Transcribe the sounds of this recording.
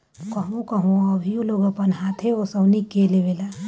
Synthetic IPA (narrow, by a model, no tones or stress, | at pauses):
kɐɦũkəɦũɐbʱijũloːɡəpənɦaːt̪ʰɦeosəbnikeleʋeːla